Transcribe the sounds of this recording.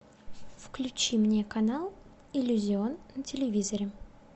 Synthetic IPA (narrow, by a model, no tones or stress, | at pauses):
fklʲʉt͡ɕimnʲekɐnalˠ | ɪlʲʊzʲɪo̞nːətʲɪlʲɪvʲizəɾʲɪ